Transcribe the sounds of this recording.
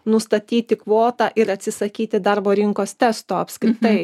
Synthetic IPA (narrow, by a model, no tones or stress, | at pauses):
nʊst̪ɐt̪ʲiːt̪ʲɪkʋoːt̪ɑːʔɪɾɐt̪ʲsʲɪsɐkʲiːt̪ʲɪd̪ɐɾboːɾʲɪŋkoːst̪ʲɛst̪oːɐpʲskɾʲɪt̪ɐɪ